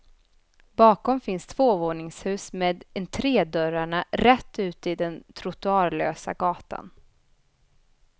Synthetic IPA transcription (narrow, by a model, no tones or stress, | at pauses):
bɑːkɔmfɪnst̪ʰv̥oːvoːɳɪŋshʉ̟ːsmeːd̪ɛnt̪ʰɾeːd̪œɾaɳaɾɛt̪ːʉ̟ːt̪əɪd̪ɛnt̪ʰɾʊt̪ʊɑːɾlø̰ːsa̰ɡɑːt̪a̰n